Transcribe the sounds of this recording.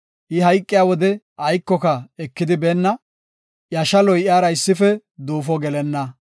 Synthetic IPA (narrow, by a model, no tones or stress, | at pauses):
ʔɪɦɐjkʼːɪjaːwɔd̪ɛ | ʔɐjkːɔkɐɛkːɪd̪ɪbeːnːɐ | ʔjɐʃɐlɔjʔɪjaːɾɐɪsːɪfɛ | d̪uːfɔɡɛlɛnːɐ